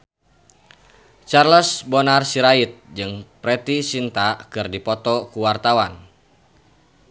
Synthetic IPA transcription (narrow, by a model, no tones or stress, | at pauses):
t͡ʃarlɔsbɔnarsiɾait̪̚d͡ʒɨŋpɾɛt̪isint̪akɨrdipɔt̪ɔkuwart̪awan